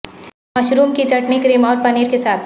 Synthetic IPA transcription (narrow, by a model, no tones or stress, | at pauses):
mɐʃɾuːmkit͡ʃɐʈnikɾeːmɔːɾpɐniːɾkesaːt̪ʰ